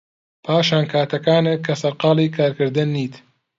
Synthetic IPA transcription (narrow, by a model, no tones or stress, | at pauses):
pʰaːʃaːnkʰaːt̪ɐkaːnekʰːɐsɐɾqɑːlˠiːkʰaːɾkɨɾd̪ɨnːiːt̪